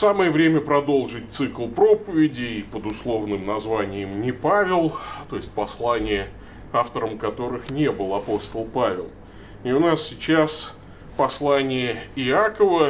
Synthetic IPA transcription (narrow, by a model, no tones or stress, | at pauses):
saməjəvɾʲemʲəpɾɐd̪o̞lˠʐɨt̚ʲt̪sɨklˠpɾo̞pəvʲɪdʲɪːpəd̪ʊslˠo̞vnɨmnɐzvanʲɪjəmnʲɪpavʲɪlˠt̪o̞jɪsʲt̚ʲpɐslˠanʲɪjə | aft̪əɾəmkɐt̪o̞ɾɨxnʲe̞bɨlˠɐpo̞st̪əlˠpavʲɪ̰lˠ | ɪʊnassʲɪt͡ɕas | pɐslˠanʲɪjəɪakəvə